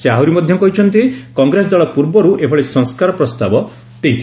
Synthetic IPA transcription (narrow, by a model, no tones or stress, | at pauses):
seaɦwɾimɔd̪ʱjɔkɔɦit͡ʃʰɔnt̪ikɔŋɡɾesɔd̪aɭɔpuɾbɔɾuʔebʰɔɽesɔŋskaɾɔpɾɔst̪abɔ | d̪̥eit̪ʰi